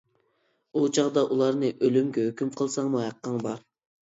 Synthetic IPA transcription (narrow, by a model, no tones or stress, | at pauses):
ut͡ʃʰɑʁd̪ɑʔulˠɑɾnɨʔølymɡʲɛhøkʲymqʰəlˠsɑŋmuɦɑqːəŋbɑɾ